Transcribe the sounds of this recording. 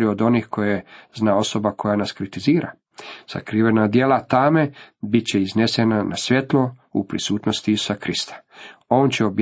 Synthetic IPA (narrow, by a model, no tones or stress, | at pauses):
ɾiod̪o̞niːxkʰo̞jeznao̞so̞bakʰo̞janaskɾit̪iziːɾa̰ | z̥a̰kɾiːʋenad̪jeːlat̪ame̞bit̪̚t͡ɕeiznesenanasʋje̞t̪lˠoṵpɾḭsuːt̪nost̪iisu̥sakɾist̪ḁo̞ːnt͡ɕeob